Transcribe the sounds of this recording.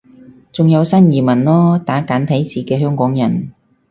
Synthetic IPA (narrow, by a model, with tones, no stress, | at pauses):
t͡sʊ˨ŋjɐ˨˧wsɐ˥njiː˨˩mɐ˨˩nlɔː˥t̪aː˨˥kaː˨˥nt̪ʰɐ˨˥jt͡siː˨˩kɛː˧ɦœː˥ŋkɔː˨˥ŋjɐ̰˨˩n